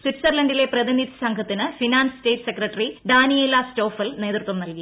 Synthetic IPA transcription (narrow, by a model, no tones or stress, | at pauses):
swiʈːsɐrlɐɳɖile̞prɐðinid̪ʱɐsɐŋkʰɐt̪ːinɨfinaːnsɨste̞ːʈːsekrɐʈːɐriɖaːnijeːlɐsto̞ːfɐlne̞ːd̪rut̪ʋɐmnɐlki